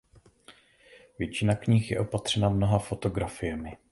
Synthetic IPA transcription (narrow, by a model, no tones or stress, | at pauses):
vjɛt͡ʃɪnakɲixjɛ̰ʔo̞pat̪r̥ɛnamno̞ɦafo̞t̪o̞ɡɾafɪjɛmɪ